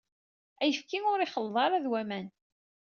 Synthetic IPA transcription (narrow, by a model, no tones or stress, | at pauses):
æjəfkiŋʊɾiχəlðˤɑɾˤæðwæmæn